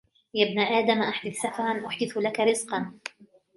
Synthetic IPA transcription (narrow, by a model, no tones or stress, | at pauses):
jabnaʔaːd̪amʔaħd̪ɪθsafɑɾˤɑnʔʊħd̪ɪθlakaɾɪzqɑn